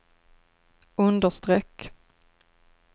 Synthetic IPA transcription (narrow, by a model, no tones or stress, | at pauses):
ɵnd̪əʂt̪ɾɛkː